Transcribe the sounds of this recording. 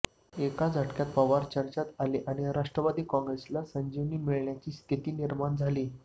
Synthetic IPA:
ekad͡zʱaʈkjat̪̚pəʋaɾt͡ɕəɾt͡ɕat̪aliʔaɽ̃iɾaʂʈɾəʋad̪iːkɔ̃ŋɡɾeslasəɲd͡ʑiʋniːmiɭɳjat͡ɕiːst̪ʰit̪iːniɾmaɳd͡zʱaliː

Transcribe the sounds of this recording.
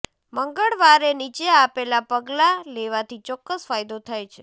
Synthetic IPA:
məŋɡəɭʋaɾenit͡ʃeapelapəɡlaleʋat̪ʰit͡ʃɔkːəsfajd̪ot̪ʰajt͡ʃʰe

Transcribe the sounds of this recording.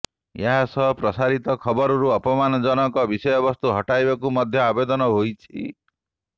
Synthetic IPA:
eɦasɔpɾɔsaɾit̪ɔkʰɔbɔɾɔɾuɔpɔmanɔd͡ʒɔnɔŋkɔbisɔjɔbɔst̪uɦɔʈajbak̬umɔd̪ʱjɔabed̪ɔnɔɦojt͡ʃʰḭ

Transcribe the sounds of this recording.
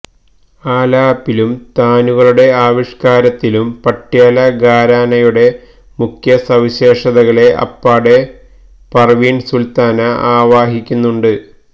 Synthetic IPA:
aːlaːpːilumt̪aːnuɣɐɭuɽe̞aːʋiʂkaːɾɐt̪ːilumpɐʈːjaːlɐɡaːɾaːnɐjuɽe̞ | mukʰjɐsɐʋiɕe̞ːʂɐðɐɣɐɭe̞ʔɐ̰pːaːɽe̞ | pɐrʋinsult̪aːnɐaːʋaːɦikʲːunːuɳɖɨ

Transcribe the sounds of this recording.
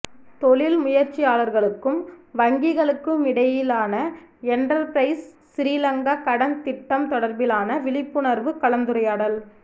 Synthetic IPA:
t̪ɔɭɪlmʊjɐɾt͡ʃːɪjaːlɐɾɣɐɭɯkːɯmʋɐŋɡɪɣɐɭɯkːɯmɪɽɐjɪlaːnɐɛnɖɐɾpɾɐɪsː | ɪɾiːlɐŋɡɐkɐɽɐnt̪ɪʈːɐmt̪ɔɽɐɾbɪlaːnɐʋɪlɪpːɯnɐɾʋɯkɐɭɐnd̪ɯɾɐjaːɽɐl

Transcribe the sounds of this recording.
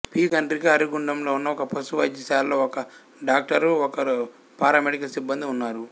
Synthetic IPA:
piːɡɐɳɖɾikiɐɾiɡuɳɖɐmlo̞ːunːɐɔkɐpʰɐsuʋɐjd͡ʒɐsaːlːoːɔkɐ | ɖaːk̚ʈɐɾɔkɐɾ | paːɾɐmeɽikɐlsibːɐnd̪iunːaːɾu

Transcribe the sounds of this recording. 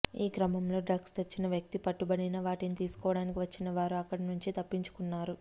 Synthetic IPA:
iːkɾɐmɐmlo̞ːɖɾɐɡst̪et͡ʃːinɐʋjɐk̚t̪ipɐʈːubɐɽinɐʋaːʈenit̪iːsu̥kɔːʋɐɽaːnikiʋɐt͡ʃːinɐʋaːɾuɐkːɐɽɐnuɲt͡ʃit̪ɐpːiɲt͡ʃu̥kunːaːɾu

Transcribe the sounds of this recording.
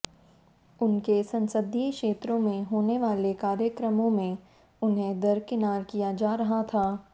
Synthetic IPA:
ʊnkesɐ̃nsəd̪ʱikʃeːt̪ɾõmẽɦoːneʋaːlekaːɾjəkɾəmõmẽ | ʊnɦẽd̪ɐɾkɪnaːɾkijad͡ʒaːɾɐɦat̪ʰaː

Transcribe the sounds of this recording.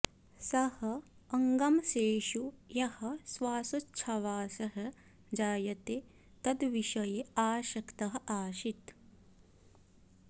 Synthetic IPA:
sɐhɐɐŋɡɐmʃeːʃujɐhɐ̆sʋaːsutːʃʰɐʋaːsɐɦɐ | d͡ʒaːjɐt̪e | t̪ɐd̪ʋiʃɐjeaːʃɐkt̪ɐɦɐ̆ʔaːʃit̪

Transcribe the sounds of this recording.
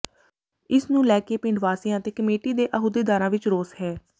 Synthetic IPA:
ɪsnũːlɛːkeːpɪ̃ɳɖʋaːsijãːt̪eːkəmeːʈiːd̪eːʔəɦuːd̪eːd̪aːɾãːʋɪt͡ʃɾoːsɦɛː

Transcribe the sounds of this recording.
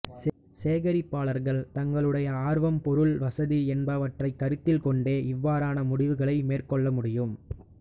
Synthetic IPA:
s | seːɣɐɾɪpːaːɭɐɾɣɐɭt̪ɐŋɡɐɭɯɽɐjɐaːɾʋɐmpɔɾɯɭʋɐsɐðiɛnbɐːʋɐʈrɐɪkːɐɾɯt̪ːɪlkɔɳɖeːɪʋːaːɾaːnɐmʊɽɪʋɯɣɐɭɐɪmeːrkɔɭːɐmʊɽɪjɯm

